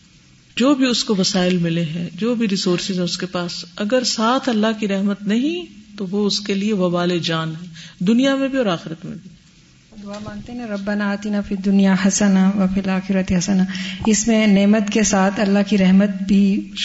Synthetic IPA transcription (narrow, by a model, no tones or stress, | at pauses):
d͡ʒoːbʱiʊskoʋɐsaːɪlmɪleɦɛ̃d͡ʒoːbʱiɾɪsoːɾsɪzɛ̃ʊskepaːsɐɡəɾsaːt̪ʰɐlːaɦkiɾɛɦmət̪nɐɦĩt̪oʋoʊskelieʋɐbaːled͡ʒaːnɦɛːd̪ʊnijamẽbʱiɔːɾaːxɪɾət̪mḛ̃bʱi | d̪ʊamãːŋt̪eɦɛɛ̃ɾɐbːɐnaːt̪inafid̪ʊnijahɐsənaʋɐfɪlaːxɪɾɐt̪eɦɐsənaɪsmẽneːmət̪kesaːt̪ʰɐlːaɦkiɾɛɦmət̪bʱi